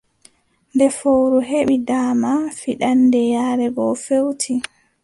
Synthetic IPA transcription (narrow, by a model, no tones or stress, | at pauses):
ndɛfowɾuɦeɓidaːmafiɗandɛjaːɾɛɡɔfewtʰi